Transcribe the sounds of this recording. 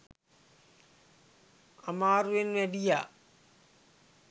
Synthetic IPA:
amaːɾuʋenʋɛɖijaː

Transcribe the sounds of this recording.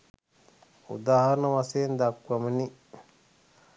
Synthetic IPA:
ṵd̪aːhaɾnawasend̪akʷːaməni

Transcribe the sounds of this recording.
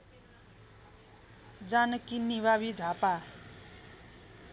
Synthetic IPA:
d͡zanʌkiniβaβid͡zʱapa

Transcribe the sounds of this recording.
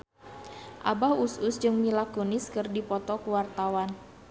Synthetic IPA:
ʔa̰bahusʊsd͡ʒɨŋmilakonɪskɨrdipɔt̪ɔkuwart̪awan

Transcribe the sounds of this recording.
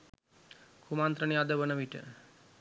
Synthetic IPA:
kʰumaːnt̪ɾənijad̪əbənəʋiʈə̰

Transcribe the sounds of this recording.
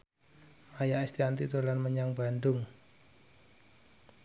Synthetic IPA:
majaʔɛst̪iant̪it̪olanməɲaŋbandʊŋ

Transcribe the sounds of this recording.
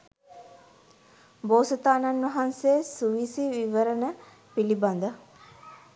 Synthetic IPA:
boːsət̪aːnanʋɐɦanseːsuʋisiʋiʋəɾənə | piliband̪ə

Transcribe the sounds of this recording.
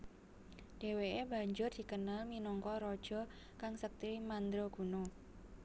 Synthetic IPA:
d̥e̤weeba̤ɲd͡ʒʊrd̪̥i̤kənalminɔŋkɔɾɔd̥ʒ̥ɔ̤ | kaŋsək̚t̪iwimand̪ɾoɡ̥ṳno

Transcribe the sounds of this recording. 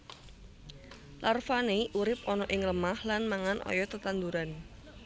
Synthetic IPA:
larfaneʔuɾɪp̚ɔnɔʔɪŋləmahlanmaŋanʔɔ̰jɔt̪ət̪and̪uɾan

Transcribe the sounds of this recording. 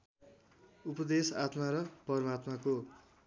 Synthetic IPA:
upʌd̪esat̪maɾʌpʌɾʌmat̪mako

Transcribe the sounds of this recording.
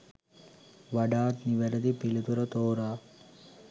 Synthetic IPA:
ʋɐɖaːt̪niʋɐɾɐd̪ipilut̪uɾɐt̪oːɾaː

